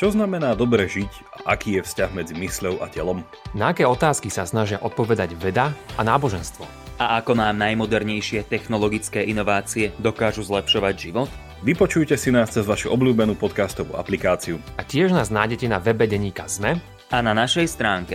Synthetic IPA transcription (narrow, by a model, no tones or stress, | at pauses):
t͡ʃɔznamɛnaːd̪ɔbɾɛʒic | a̰ʔakiːjɛfscaɣmɛd͡zimisʎɔʊa̰cɛlɔm | naakɛːɔt̪aːskisasnaʒɪaʔɔt̪̚pɔʋɛd̪aɟʋɛd̪aanaːbɔʒɛnst̪ʋɔ̰ | aʔakɔmaːmnajmɔd̪ɛɾɲɛjʃɪɛt̪ɛxnɔlɔɡit͡skɛːʔinɔʋaːt͡siɛd̪ɔkaːʒuzlɛpʃɔʋaɟʒiʋɔt̪ | ʋipɔt͡ʃujcɛsinaːst͡sɛzʋaʃuʔɔblʲuːbɛnuːpɔt̪kast̪ɔʋṵːa̰plikaːt͡siuacɪɛʒnaːznaːjɟɛcɛnaʋɛbɛɟɛɲiːkazmɛ | ananaʃɛjst̪ɾaːŋkɛ